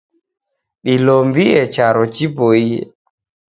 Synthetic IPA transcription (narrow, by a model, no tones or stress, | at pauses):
ɗilɔmbiɛt͡ʃaɾɔt͡ʃipoḭ